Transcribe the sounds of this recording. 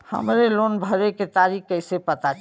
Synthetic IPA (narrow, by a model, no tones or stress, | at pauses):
hə̰mɾelonbʱəɾeket̪aɾikkːəɪsepət̪a